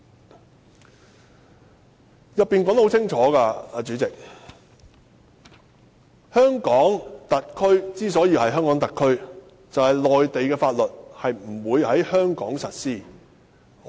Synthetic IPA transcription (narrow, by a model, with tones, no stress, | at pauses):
jɐ˨p̚ːiː˨nkɔː˨˥ŋt̪ho˨˥t͡sʰɪ˥ŋt͡ʃʰɔː˨˥kaː˧aː˨˧t͡ʃyː˨˥t͡sɪ˨k̚ | hœː˥ŋkɔː˨˥ŋt̪ɐ˨t̚kʰɵ˥ɥt͡siː˥sɔː˨˥jiː˧˥hɐ˨jɦœː˥ŋkɔː˨˥ŋt̪ɐ˨kʰɵ˥ɥ | t͡sɐ˨whɐ˨jlɔː˨jt̪e˨jkɛː˧faː˧t̚lɵ˨t̚hɐ˨jm̩˨˩wuː˨˧jhɐ˨˥jhœː˥ŋkɔː˨˥ŋsɐ˨t̚siː˥˩